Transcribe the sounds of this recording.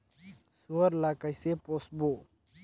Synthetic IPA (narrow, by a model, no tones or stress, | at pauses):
suəɾlakəjseposbo